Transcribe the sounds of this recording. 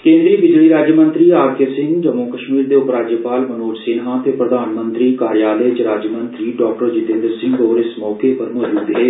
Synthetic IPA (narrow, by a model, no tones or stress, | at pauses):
kẽːnd̪ɾiːbɪd͡ʒliɾaːd͡ʒjəmə̃nt̪ɾiaːɾt̪ʰjəsɪ̃ŋɡd͡ʒɐmːokɐʃmiːɾd̪eʊpɾaːd͡ʒjəpaːlmɐnoːʈsɪnɦãt̪ʰepɾɐd̪ʱaːnmə̃nt̪ɾikaːɾjaːləjd͡ʒɾaːd͡ʒjəmə̃nt̪ɾiɖɔːk̚ʈəɾd͡ʒɪt̪ẽːnd̪ɾsɪ̃ŋɡɔːɾɪsmɔːkepɐɾmɔːd͡ʒuːd̪ɦɛː